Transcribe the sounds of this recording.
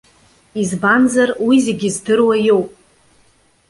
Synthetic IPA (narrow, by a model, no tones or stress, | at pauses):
izbanzarwizeɡʲɪzdɨrwajowpʼ